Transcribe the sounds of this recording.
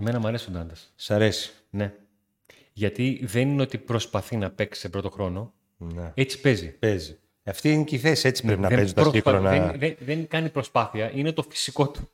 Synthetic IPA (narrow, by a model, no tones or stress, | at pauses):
eme̞nɐmɐɾe̞sond̪ɐnd̪ɐssɐɾe̞si̥ | ne̞ | ʝɐt̪iðe̞nineot̪ipɾo̞spɐθinɐpe̞ksi̥sepɾo̞t̪o̞xɾo̞no̞ | neet͡si̥pe̞zipezi | ɐft̪iineciθe̞sie̞t͡si̥pɾepinɐeezut̪ɐsoiɐonɐeðenðeŋkɐnipɾo̞spɐθiɐʔine̞t̪o̞fi̥siko̞t̪u̥